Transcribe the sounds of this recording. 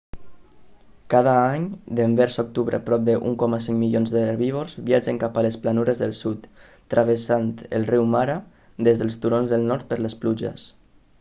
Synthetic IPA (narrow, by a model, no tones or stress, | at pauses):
kað̞aaɲd̪əmbɛɾsok̚t̪uβɾə̰pɾɔp̚d̪əʔṵŋkɔmasiŋmilionzðəɾβiβorz̥βiad͡ʒəŋkapaləsplanuɾəzðəlˠsut̪ː | ɾʔaβəsant̪ə̰lˠriwmaɾa | d̪ezðəlˠst̪uɾonzðəlˠnɔɾt̪̚pəɾləspluʒə̰s